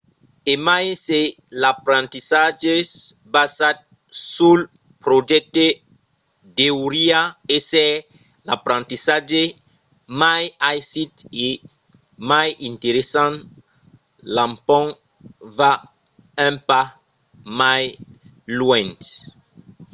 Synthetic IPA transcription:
emajse | lapɾãnt̪isaʒebasat̪̚ | sul | pɾod͡ʒɛk̚t̪e | d̪euɾiaesɛ | lapɾãnt̪isaʒe | majajsit̪e | majĩnt̪eɾesãn | lãmpɔ̃ŋ | va | ɛ̃mpa | maj | lwɛ̃nt̪

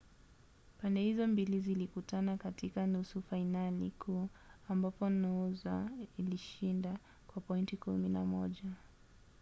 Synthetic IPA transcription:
pandɛhizɔmbilizilikutanakatikanusufainalḭkʰuːambapɔnauzailiʃinda | kwapɔintikumina̰mɔʄa

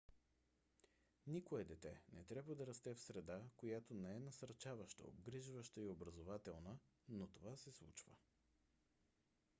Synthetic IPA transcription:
nikoɛd̪ɛt̪ɛnɛt̪ɾʲabvəd̪ɐɾɐst̪ɛfsɾɛd̪akojat̪onɛɛnɐsɐɾt͡ʃavəʃt̪ə̰o̰ɡɾiʒvəʃt̪əiobɾəzovat̪ɛlˠnənot̪ovasɛslˠut͡ʃvə̰

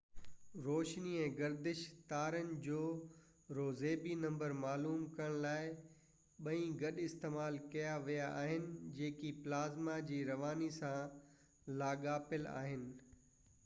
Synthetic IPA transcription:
ɾoːʃniɛ̃ːɡɐɾd̪ɪʃt̪aːɾənɪ̆d͡ʑoː | ɾoːzeːbinɐ̃mbəɾmaːluːmkɐəɽ̃laːɪ | ɓɐĩɡɐɗɪst̪eːmaːlkɐjaʋijaʔaːɦɪnɪ̆d͡ʑeːkiplaːzmad͡ʑiːɾɐʋaːnisã | laːɠaːpɪla̰ːɦɪnɪ̆

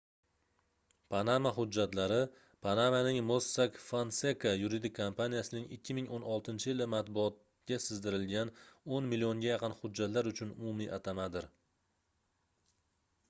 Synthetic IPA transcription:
pʰanamaχʊd͡ʒːat̪laɾɪ | pʰanamanɪŋmosːakfansekajuɾid̪ɪkʲʰːompanijasɪnɪŋɪkʲʰːɪmɪŋonɒlˠt̪ʰɪnt͡ʃʰɪjɪlɪmat̪bʊɒt̪̚ | ɡʲasɪzd̪ɪɾɪlɡʲanonmɪlioŋɡʲajɑqɨnχʊd͡ʒːat̪laɾʊt͡ʃʰʊnʊmʊmiʔat̪ʰamad̪ɪɾ

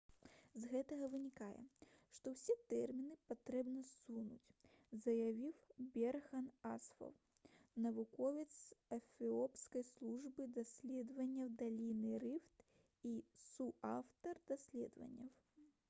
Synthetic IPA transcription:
zɣɛt̪ɐɣɐvɨnʲikajɛ̰ʂt̪ɔwsʲɛt̪ɛrmʲinɨpat̪ɾɛbnɐsunut͡sʲ | zɐjavʲiwbʲɛrxɐnasfɐ̰w | nɐvukɔvʲɛt̪sɐfʲiɔpskɐjslˠuʐbɨd̪asʲlʲɛd̪vɐnʲːɐwd̪alʲinɨɾɨft̪ | isuawt̪ɐrd̪asʲlʲɛ̰d̪vɐ̰nʲːɐw

